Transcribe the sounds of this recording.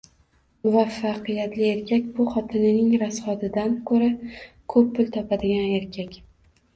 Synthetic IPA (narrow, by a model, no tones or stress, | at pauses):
mʊvafːaqɨjat̪lɪe̞ɾkʲʰakʲbʊχɒt̪ʰɪnɪnɪŋɾasχɒt̪ɪd̪ankʰɵɾa | kʰɵpːʊlt̪ʰɒpad̪ɪɡʲane̞ɾkʲʰakʲ